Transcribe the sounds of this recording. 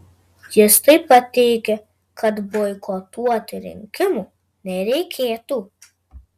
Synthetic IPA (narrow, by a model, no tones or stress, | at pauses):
jɪst̪ɐɪpɐt̪ʲɛɪkʲɛ | kɐt̪bojkoːt̪uɔt̪ʲɪɾʲɪ̰ŋʲkʲɪmu | nʲɛɾʲɛɪkʲʰeːt̪uː